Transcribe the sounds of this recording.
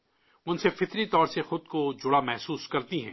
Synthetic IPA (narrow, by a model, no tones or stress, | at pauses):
ʊnsefɪt̪ɾit̪ɔːɾsexʊd̪̚kod͡ʒʊɽamɛɦsuːskɐɾt̪iɦɛ̰̃ː